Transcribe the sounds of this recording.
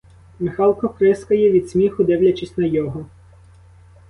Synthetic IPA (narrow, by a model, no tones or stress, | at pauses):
mɪxɑlˠkɔkɾɪskɐjɛʋʲid̪̥sʲmʲixʊd̪ɪwlʲɐt͡ʃisʲtʲnɐjɔɦɔ